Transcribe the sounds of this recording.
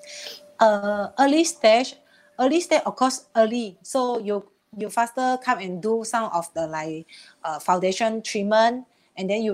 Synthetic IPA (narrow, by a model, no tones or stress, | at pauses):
ʔəəlistɛt͡ʃ | əlistɛt͡ʃɔfkʰɔsəlisoju | jufastəkʰãmɛ̃ndusãmɔfdəlaɪk | əfãw̃ndeʃɔ̃ntʰɹimə̃n | ɛ̃ndɛ̃nju